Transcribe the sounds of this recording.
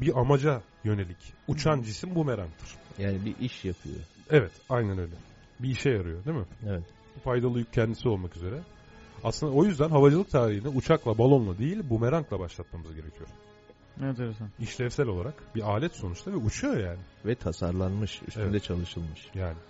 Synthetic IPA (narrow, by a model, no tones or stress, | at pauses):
biamad͡ʒa | jø̞nelʲicut͡ʃʰand͡ʒisimbumeɾaŋk̚t̪ʰɯɾ̥jaːnibiʔiʃjapʰɯ̰jo̰ | evɛt̪ajnænø̞jlʲɛ | biːʃɛjaɾɯjo̞d̪emɪevɛt̪ | bufajd̪alˠɯjyc̚cʰːɛnd̪isio̞lˠmakyze̞ɾɛ | aslɯnd̪ao̞jyzd̪ænɦavad͡ʒɯlˠɯk̚t̪ʰaːɾihinɛut͡ʃʰaklˠabalˠo̞nlˠad̪ejilʲbumeɾaŋklˠabaʃlˠat̪̚mamɯzɟe̞ɾe̞cʰijoɾ | ent̪eɾesaniʃlʲɛvsælʲo̞lˠaɾakbiaːlʲɛt̪so̞nut͡ʃt̪ˠavɛut͡ʃʰujo̞jaːnɪvɛt̪ʰasaɾlˠanmɯʃḭʃeɛd̪ɛt͡ʃʰalˠɯʃɯlˠmɯʃjaːnɪ